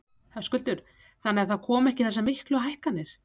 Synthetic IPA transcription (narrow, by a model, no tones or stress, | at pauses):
hœskʏlt̪ʏɾ̥ | θanːɪaɾθaðkʰɔːmɛhcɪθɛsːamɪhklʏɦajhkanːɪɾ̥